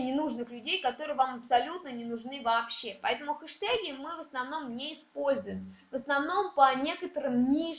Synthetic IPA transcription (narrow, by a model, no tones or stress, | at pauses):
nʲɪnuʐnɨxlʲʉdʲejkɐt̪o̞ɾɨjəvamɐpsɐlʲut̪̚nənʲɪnʊʐnɨvɐːpɕːe̞pɐɛt̪əmʊxɨʂt̪aɡʲɪmɨvəsnɐvno̞mnʲeɪspo̞lʲzʊjɪmvəsnɐvno̞mpənʲe̞kət̪əɾɨmnʲi